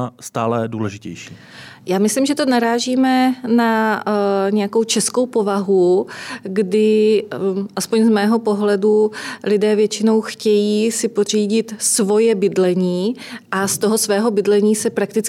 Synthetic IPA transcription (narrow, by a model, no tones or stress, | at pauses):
st̪aːlɛduːlɛʒɪcɛ̰jʃḭː | jaːmɪslimʒɛt̪o̞naɾaːʒiːmɛna | ɲɛjako̞wt͡ʃɛsko̞wpo̞vaɦu | ɡdɪ | ʔaspo̞ɲzmɛːɦo̞po̞ɦlɛdulɪdɛːvjɛt͡ʃɪno̞wxcɛjiːsɪpor̝iːɟɪt̪svo̞jɛbɪdlɛɲiːʔast̪o̞ɦo̞svɛːɦo̞bɪdlɛɲiːsɛpɾak̚t̪ɪt͡s